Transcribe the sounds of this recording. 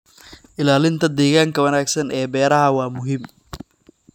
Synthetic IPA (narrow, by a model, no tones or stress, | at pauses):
ʔɪlaːlɪnt̪ʰɐd̪ɛːɣaːŋkʰɐwɐnaːɡsɐnɛːbɛːɾɐɦɐwɑːmʊɦɪm